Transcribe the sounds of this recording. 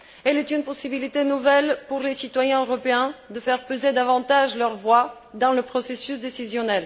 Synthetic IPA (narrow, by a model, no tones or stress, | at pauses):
ɛlɛt̪ynpɔsibilit̪enuvɛlpuʁlesit̪wajɛ̃øʁɔpeɛ̃d̪əfɛʁpøzed̪avɑ̃t̪aʒlœʁvwa | d̪ɑ̃ləpχɔsesysd̪esizjɔnɛl